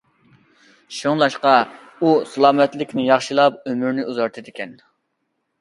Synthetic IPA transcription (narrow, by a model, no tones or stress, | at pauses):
ʃoŋlˠɑʃqɑ | usɨlˠɑːmɛt̪lɪkʲnɪjɑχʃɨlˠɑp̚ømyɾnɪuzɑɾt̪ʰɨd̪ɪkʲɛn